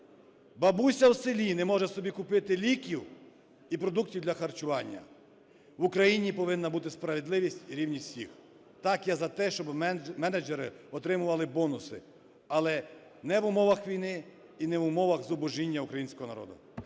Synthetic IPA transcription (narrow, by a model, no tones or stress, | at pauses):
bɐbusʲɐwsɪlʲinɛmɔʒɛsɔbʲikʊpɪt̪ɪlʲikʲiw | ipɾɔd̪uk̚tʲiwd̪lʲɐxɐrt͡ʃʊʋɑnʲːɐ̰ | ʋʊkɾɐjinʲipɔʋɪnːɐbut̪ɪspɾɐʋed̪lˠɪʋʲisʲtʲiɾʲiwnʲiwsʲix | t̪ɑkjazɐt̪ɛʃt͡ʃɔbmɛnɐd͡ʒɛɾɪ̰ɔt̪ɾɪmʊʋɐlˠɪbɔnʊsɪ̰ | ɐlˠɛ | nɛʋʊmɔʋɐxʋʲijnɪ | inɛʋʊmɔʋɐxzʊbʊʒinʲːɐukɾɐjinsʲkɔɦɔnɐɾɔ̰d̪ʊ̰